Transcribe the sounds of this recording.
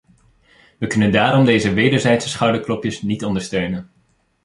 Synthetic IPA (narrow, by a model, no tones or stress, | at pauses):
ʋəkɵnəndaːɾɔmdejzəʋejdəɹzɛjtsə̥sχɑwdəɹklɔpjəsnitɔndəɹstøɥnən